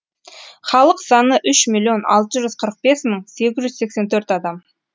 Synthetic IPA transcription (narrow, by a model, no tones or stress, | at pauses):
χɑlˠəqsɑnəʔʏʃmʲilːio̞nɑ̰lˠt̪əʒʏzqʰəɾəq̚be̞sməɴse̞ɡʲɪzʒʏzse̞kse̞nt̪ʰɵɾt̪ɑd̪ɑm